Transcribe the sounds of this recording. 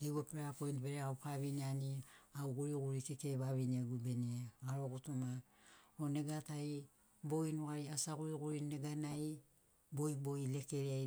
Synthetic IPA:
eɡopeɾapojntbeɾeawpʰaβinianiawɡuɾiɡuɾikekeβaβinieɡube̞nieɡaɾoɡutuma | one̞ɡataj | boinoaɾiasaɡuɾiɡuɾine̞ɡanaj | bo̞jbo̞ile̞keɾia

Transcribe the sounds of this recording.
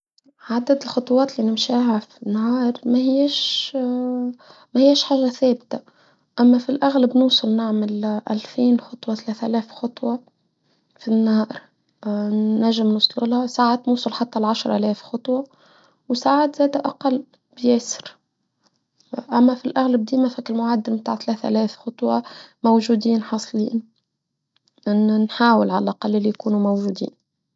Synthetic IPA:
ʕad̪æd̪ɪlxɑt̪ˤwɑːt̪lːinɪmʃaːɦæfinːahɑːɾˤmæhɪjæʃ | mæhɪjːæʃħaːʒæθæːbt̪a | ʔæmːæfilʔæɣlabnuːsˤɑlnɪʕmɪlʔæ̰lfiːnxɑt̪ˤwɑθalæːθʔælæːfxɑt̪ˤwɑ | finːɑːɾ | æʒːɪmnʊsˤlulhæsaːʕat̪nuːsˤɑlħat̪ːælʕaʃɾˤʔælɛːfxɑt̪ˤwɑ | wsaːʕat̪zæːd̪æʔɑqɑlː | bjɛːsɪ̥ɾ | ʔæmːæfilʔaɣlab̚d̪iːmæfækɪlmʊʕad̪ːɪlmt̪a̰ːʕt̪læːθʔæ̰læːfxɑt̪ˤwɑmowʒuːd̪iːnħɑsˤliːn | nnħaːwɪlʕalælʔaqɑlːʔɪlːijkuːnumowʒuːd̪ḭːn

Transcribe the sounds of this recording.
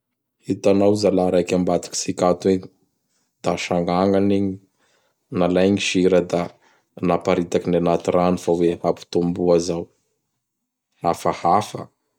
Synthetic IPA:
hit̪anawzalaɾajkʲambat̪i̥ki̥sikat̪we | d̪̥aʃaŋɡaŋɡaniɲi | nalajŋiʃiɾəd̪a | napaɾit̪akinanat̪iranifawehapu̥t̪umbuazaw | afahafə̰

